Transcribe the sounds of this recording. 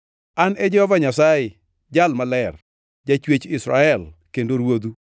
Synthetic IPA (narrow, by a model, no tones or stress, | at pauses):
anɛd͡ʒɔhɔvaɲasajɪ | d͡ʒalmalɛr | d͡ʒat͡ʃwet͡ʃɪsɾa̰ɛlkendoɾwod̪u